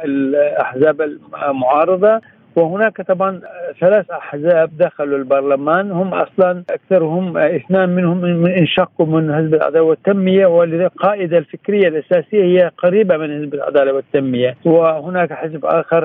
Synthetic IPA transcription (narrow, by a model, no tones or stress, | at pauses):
ʔɪlʔaħzaːbalmʊʕɑːɾˤɑðˤɑ | wɪhʊnaːkt̪ˤɑbʕɑnθalaːθʔaħzaːb̚d̪axalɪlbɑɾˤlamaːnhʊmːʔɑ̰sˤlɑnʔakθɑɾˤhʊmʔɪθnaːnmɪnhʊmmɪnʔɪnʃɑqːumɪnhɪzbalʕa̰d̪aːlat̪ːamːɪjawɪqɑːʔɪd̪alfɪkɾɪjːalʔasaːsɪjːahɪjːaqaɾiːbamɪnhɪsbalʕa̰d̪aːlawɪt̪ːamːɪjawɪhʊnaːkħɪzbʔa̰ːxɪɾˤ